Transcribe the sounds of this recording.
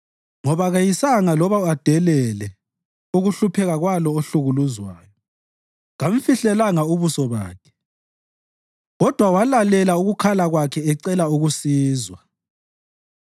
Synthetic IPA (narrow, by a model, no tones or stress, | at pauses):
ŋɔβaɣajisaŋalɔβaad̥ʱɛlɛlɛ | uɣuɬupʰɛɣaɣwalɔoɬuɣuluzwaːjɔ | ɣaɱfiɬɛlaŋauβusɔβa̰ːkʰɛ̥ | ɣɔd̥ʱwawalalɛlauɣukʰalaɣwakʰɛɛǀɛlauɣusiːzwa